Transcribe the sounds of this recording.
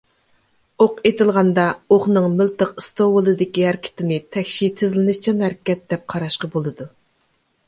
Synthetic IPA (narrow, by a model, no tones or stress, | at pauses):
oqet̪ɪlˠʁɑnd̪ɑoχnɨŋmɪlt̪əqɨst̪owɨlˠɨd̪ɪkʲiɦæɾkʲʰɪ̥t̪ɪnɪt̪ʰɛkʲʃit̪ʰːɪzlɪnɪʃt͡ʃʰinɦæɾkʲɛt̪̚d̪ɛp̚qʰɑɾɑʃqɑbolˠɨd̪u